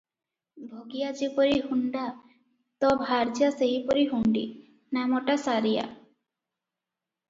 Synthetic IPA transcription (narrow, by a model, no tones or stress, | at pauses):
bʱoɡijad͡ʒipɔɾiɦuɳɖa | t̪ɔbʱaɾd͡ʒaseɦipɔɾiɦuɳɖḭ | namɔʈasaɾija̰